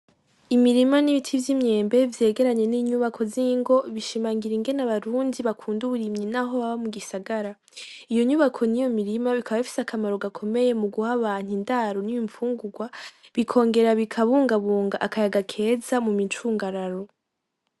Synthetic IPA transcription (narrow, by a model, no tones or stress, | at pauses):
imiɾimaniβitʰivjimɲe̞ːmbe̞vje̞ːɡe̞ɾaɲe̞niːɲuβakʰo̞ziŋɡo̞βiʃimaːŋɡiɾiŋɡe̞naβaɾuːndiβakʰuːnduβuɾimɲinaɦo̞βaβamuɡisaɡaɾa | ijo̞ɲuːβakʰo̞nijo̞miɾimaβikʰaβaβifi̥sakʰamaɾo̞ɡakʰo̞me̞je̞muɡuhaβaːn̥indaɾonijiɱfuːŋɡuɡwaβikʰo̞ːŋɡe̞ɾaβikʰaβuːŋɡaβuːŋɡaʔakajaɡakʰe̞ːzamumit͡ʃuːŋɡaɾaɾo̞